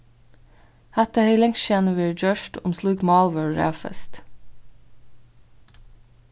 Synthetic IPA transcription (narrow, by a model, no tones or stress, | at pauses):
hæt̪əheʏlɛŋʃeːnəʋiːɹd͡ʒøʃʈʊmsluːɡmɑːlʋəɹɹḛːfə̰st̪